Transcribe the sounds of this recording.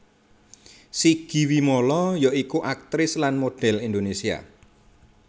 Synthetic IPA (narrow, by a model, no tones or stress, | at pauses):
siɡ̥i̤wimolɔjɔikuʔak̚t̪ɾɪslanmoɖ̥ɛ̤lind̪onesia̰